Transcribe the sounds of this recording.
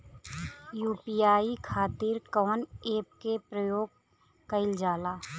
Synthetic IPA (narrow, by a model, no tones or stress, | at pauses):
juːpijaːikʰaːt̪ɪɾkɔːneːp̚kepɾəjoːɡ̚ | kəɪld͡ʒaːlaː